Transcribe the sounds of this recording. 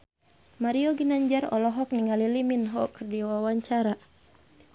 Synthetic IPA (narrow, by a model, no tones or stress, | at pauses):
maɾiɔɡinaɲd͡ʒaɾɔ̰lɔɦɔk̚niŋaliliminɦɔkɨrdiwawaɲt͡ʃaɾa